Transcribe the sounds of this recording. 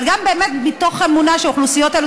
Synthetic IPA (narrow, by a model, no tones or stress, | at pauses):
lɡambeemet̪̚bit̪o̞χe̞munaʃeoχlusijo̞telo